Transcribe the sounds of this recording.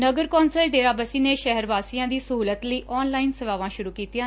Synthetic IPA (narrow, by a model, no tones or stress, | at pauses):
nəɡəɾkɔːnsəlɖeːɾaːbəsiːneːʃɛɦɾbaːsijãːd̪iːsəɦuːlət̪ləiːʔɔːnlaːinsəʋaːʋãːʃʊɾuːkiːt̪ijãː